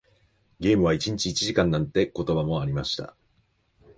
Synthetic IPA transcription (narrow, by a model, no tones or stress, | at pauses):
ɡʲe̞ːmɯ̟βait͡ɕiɲ̟it͡ɕiːt͡ɕiʑikãnːãnt̪e̞ko̞t̪o̞bamo̞aɾʲimaɕi̥t̪a̰